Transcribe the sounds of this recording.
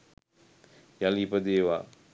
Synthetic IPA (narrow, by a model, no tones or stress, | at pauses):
jalipəd̪eːʋaː